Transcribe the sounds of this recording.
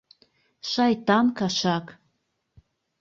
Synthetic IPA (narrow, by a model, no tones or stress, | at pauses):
ʃɑjt̪ɑnkɑʃɑk